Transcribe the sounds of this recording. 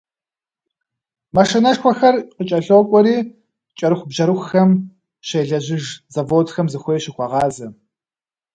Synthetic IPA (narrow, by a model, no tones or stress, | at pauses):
mɐʂɨnɐʂxʷɔxɐrqət͡ʃʼɐɬoːkʷʼɔɾiː | t͡ʃʼɐɾɨxʷbʑɐɾɨxxɐm | ʃeːɮɐʑɪʒzɐvoːtxɐmzɨxʷeːɕɪxʷɑʁɑːzɐ